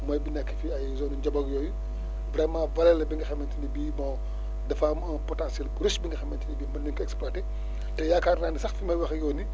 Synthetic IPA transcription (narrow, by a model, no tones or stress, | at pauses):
mɐjbinɛkːəfiɐjzɔnuɲd͡ʒɐbɐɡjɔːju | bɾɛmãːvɐlɛlɐbiŋɡɐxɐmːɐntinibiːbɔ | dɐfɐ | pɔtãːnsjɛlbɾusbiŋɡɐxɐmːɐntinibiːmɐndiŋkɐɛkspaːteː | tɛjaːkaːnraːndisɐxfimɐjwɐxjɔːni